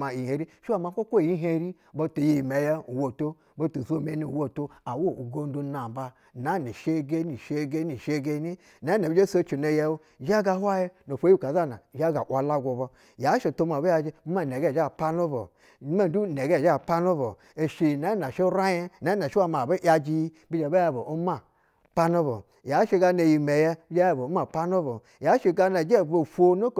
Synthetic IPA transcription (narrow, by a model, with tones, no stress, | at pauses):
ma˨i˨e˨˦ɾi˦ʃi˦wa˦˨ma˨ko˦kʷo˦˨i˦ɦe˦ɾi˦ | bo˦to˨ji˦˨me˨˦ja˦u˨wo˨to˦ | bo˦tu˨zo˦me˦ni˨wo˦˨to˦a˨wo˦˨u˨ɡo˦n˦do˦na˨m˨ba˦ | na˨˦ni˨ʃe˦ɡe˦ni˨ʃe˦ɡe˦ni˨ʃe˦ɡe˦ni˦ | na˨˦ne˨bd͡ʒe˦so˦t͡ʃi˨no˨ja˦wu˦˨ʒa˦ɡa˨˦hwa˦je˦no˨fo˦i˦˨ka˨za˦˨na˨ʒa˦ɡa˨ʔʷwa˨la˦ɡo˨bo˧ | ja˨˦ʃe˧˨to˧ma˨be˦a˧d͡ʒi˦ma˦˨ne˨ɡe˦˨˦a˦˨pa˦no˦bo̰˨˦ | ma˦du˦˨ne˨ɡe˦˨a˦˨pa˦no˦bo˨ | e˨ʃi˨na˨˦na˨ʃe˦ɾa˦je˦na˨˦na˨ʃi˦wa˦ma˨be˦ja˧d͡ʒi˧j | bi˦d͡ʒe˨be˦ja˧˨bo˨o˦ma˦ | pa˦no˦bo̰˨ja˨˦ʃe˧ɡa˧ne˧ji˨me˨jɛ˦bi˦d͡ʒe˦ja˧˨bo˨˦ma˨pa˦no˦bo˨ | ja˨˦ʃe˧ɡa˧na˨d͡ʒe˦˨bo˨fʷo˦no˦k